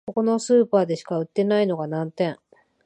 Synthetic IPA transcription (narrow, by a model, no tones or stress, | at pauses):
koko̞no̞sɨːpaːd̪e̞ɕi̥kaɯ̟t̪ːe̞naino̞ɡanãnt̪ẽ̞ɴ